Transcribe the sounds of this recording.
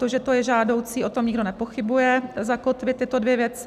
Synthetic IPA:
t̪oʒɛt̪o̞jɛʒaːdo̞wt͡siːʔo̞t̪omɲɪɡdo̞nɛpo̞xɪbujɛzakot̪vɪt̪t̪ːɪt̪o̞dvjɛvjɛt͡sɪ

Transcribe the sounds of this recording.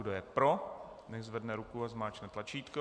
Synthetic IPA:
dojɛpɾo | nɛʒzvɛdnɛɾukuazmaːt͡ʃnɛt̪lat͡ʃiːt̪ko

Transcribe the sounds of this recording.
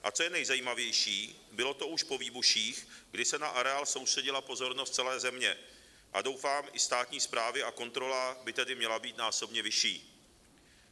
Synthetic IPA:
ʔa̰t͡sojɛnɛjzajiːmavjɛjʃiː | bɪlo̞t̪o̞ʔuʃpo̞viːbuʃiːxɡdɪsɛnaʔaɾɛaːlso̞wst̪r̥ɛɟɪlapo̞zo̞ɾnost̪̚t͡sɛlɛːzɛmɲɛ | ʔa̰do̞wfaːmʔɪst̪aːt̪ɲiːspɾaːvɪako̞nt̪ɾo̞labɪt̪ɛdɪmɲɛlabiːt̪naːso̞bɲɛvɪʃḭː

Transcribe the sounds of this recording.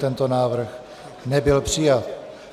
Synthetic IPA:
t̪ɛnt̪onaːvr̩x | nɛbɪlpr̝̥ɪjat̪̚

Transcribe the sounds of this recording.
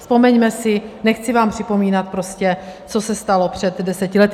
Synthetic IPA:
fspo̞mɛɲmɛsɪnɛxt͡sɪvaːmpr̥ɪpo̞miːnat̪̚pɾo̞scɛt͡so̞sɛst̪alopr̝̥ɛd̪dɛsɛcɪlɛt̪

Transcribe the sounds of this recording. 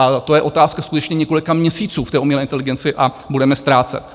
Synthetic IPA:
at̪o̞jɛʔo̞t̪aːskaskut̪ɛt͡ʃɲɛɲɛko̞lɪkamɲɛsiːt͡suːft̪ɛːʔumiɛlɛʔɪnt̪ɛlɪɡɛnt͡sɪʔa | budɛmɛst̪ɾaːt͡sɛ̰t̪

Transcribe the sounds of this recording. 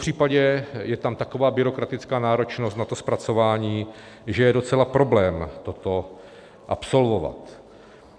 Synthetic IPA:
pr̥iːpaɟɛjɛt̪amt̪ako̞vaːbɪɾo̞kɾat̪ɪt͡skaːnaːɾo̞t͡ʃno̞st̪nat̪o̞spɾat͡so̞vaːɲiː | ʒɛjɛdo̞t͡sɛlapɾo̞blɛːmt̪o̞t̪o̞ | ʔapso̞lvova̰t̪

